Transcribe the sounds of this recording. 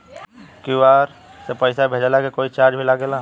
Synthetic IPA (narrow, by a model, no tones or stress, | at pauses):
kuaːɾ | sepəɪsabʱeːd͡ʒalakekoːit͡ʃaːɾd͡ʒbʱilaɡelaː